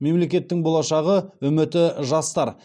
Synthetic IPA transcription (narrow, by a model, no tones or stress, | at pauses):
me̞mle̞kʲe̞t̪ːɪŋbo̞lˠɑʃɑʁəwɵmɪt̪ɪʒɑst̪ɑɾ